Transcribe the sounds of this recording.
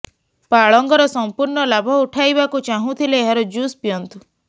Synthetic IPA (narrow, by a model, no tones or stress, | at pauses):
paɭɔŋɡɔɾɔsɔmpuɾɳɔlabʱɔuʈʰajbakut͡ʃaɦũt̪ʰileːɦaɾɔd͡ʒuspijɔnt̪u